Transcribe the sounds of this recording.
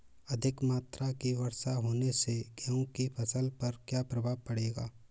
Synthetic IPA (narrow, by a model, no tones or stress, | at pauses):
ɐd̪ʱɪkmaːt̪ɾakiwɐɾsaɦoːneseɡɛõkipʰɐsəlpɐɾkjaːpɾɐbʱaːpɐɽeːɡaː